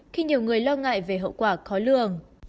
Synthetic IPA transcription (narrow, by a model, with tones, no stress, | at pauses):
xi˧ɲi˨˩əwŋɨ˨˩əjlɔ˧ŋa̰ː˧˨jve˨˩ɦə̰˧˨wkwaː˧˩xɔ˨˦lɨ̰˧˨əŋ